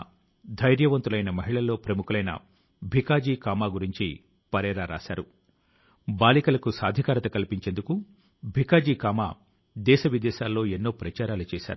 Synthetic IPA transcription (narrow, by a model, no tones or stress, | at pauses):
d̪ʱɐjɾjɐʋɐnt̪ulɐjnɐmɐɦiɭɐlːo̞ːpɾɐmukulɐjnɐ̰ | bʱikaːd͡ʒiːkaːmaːɡuɾiɲt͡ʃi | pɐɾɛːɾaːɾa̰ːʃa̰ːɾu | baːlikɐlɐkusaːd̪ʱikaːɾɐt̪ɐkɐlpiɲt͡ʃe̞nd̪uku | bʱikaːd͡ʒiːkaːma̰ː | d̪ɛːʃɐʋid̪ɛːʃaːlːo̞ːenːo̞ːpɾɐt͡ʃaːɾaːlut͡ʃɛːʃa̰ːɾu